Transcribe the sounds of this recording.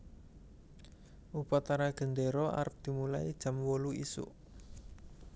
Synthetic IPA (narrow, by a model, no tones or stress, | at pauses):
ʔupat̪aɾaɡ̥ə̤nd̪eɾɔa̰ɾəp̚d̪̥i̤mula̰id̥ʒ̥ä̤mwoluḭsṵʔ